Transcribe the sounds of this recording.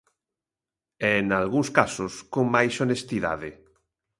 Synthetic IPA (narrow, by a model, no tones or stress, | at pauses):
ɛnalɣuŋskasoskoŋmajsonest̪iða̰ðɪ